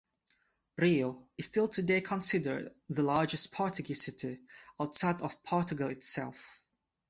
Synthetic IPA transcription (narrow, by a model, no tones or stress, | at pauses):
ɹioɨz̥stɪlˠtʰɨdeɪkʰə̃nsɪdə̰˞dðəlɑɹd͡ʒɨspʰɔɹtɨɡisɪtiaʊtsaɪdɔv̥pʰɔɹtɨɡəl̩ˠɪtsɛ̰lˠf